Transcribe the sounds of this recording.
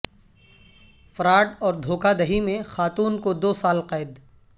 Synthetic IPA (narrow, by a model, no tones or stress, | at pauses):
fɐɾaːʈɔːɾd̪ʱoːkad̪ɐɦimẽxaːt̪uːnkod̪oːsaːlqaɪd̪